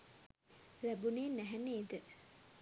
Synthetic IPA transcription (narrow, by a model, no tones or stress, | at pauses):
læbuneːnæɦæneːd̪ə